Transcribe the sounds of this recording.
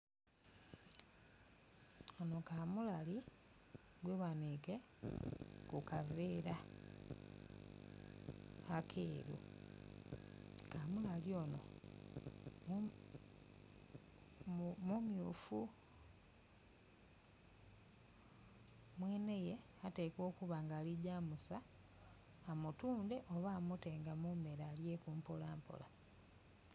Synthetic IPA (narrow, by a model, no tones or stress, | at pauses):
ono̞kamulali | ɡweβanike | kukaveɾa | kʰeːɾṵ | kamulaljono̞̰ | mumjuːfu | mweːne̞je̞ | ate̞ːko̞ːkuβaŋɡaːliɟaːmusaː | mutuːnde̞ʔoβaːmute̞ŋɡamumeɾalje̞kuːmpolaːmpo̰la